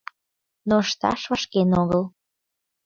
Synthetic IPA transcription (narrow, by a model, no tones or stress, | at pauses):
noəʃt̪ɑ̰ʃvəʃkenoɣəl